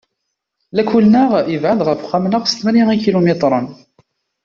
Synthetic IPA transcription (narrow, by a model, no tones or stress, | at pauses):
lækulnəʁivʕand̪ʁəfχæmnəʁst̪mæniŋikilomet̪ˤɾˤən